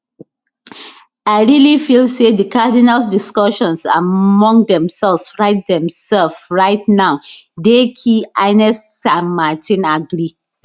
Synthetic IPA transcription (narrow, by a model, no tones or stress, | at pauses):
aɪɹilifilsedəkadinalsdiskɔʃɔ̃nsa̰mɔ̃ŋdɛ̃msɛlfsɹaɪt̚dɛ̃msɛlfɹaɪt̚naʊdekʰiaɪnɛsːãnmatĩnaɡɾi